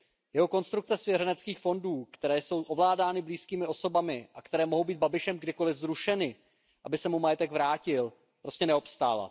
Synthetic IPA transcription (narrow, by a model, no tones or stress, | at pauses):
jɛɦo̞ko̞nst̪ɾukt͡sɛsvjɛɾɛnɛt͡skiːxfo̞nduːkt̪ɛɾɛːso̞wʔo̞vlaːdaːnɪbliːskiːmɪo̞so̞bamɪʔakt̪ɛɾɛːmoɦo̞wbiːd̪̚babɪʃɛmɡdɪko̞lɪvzɾuʃɛnɪ | ʔabɪsɛmumajɛt̪ɛɡvɾaːcɪl | pɾo̞scɛnɛo̞pst̪a̰ːla̰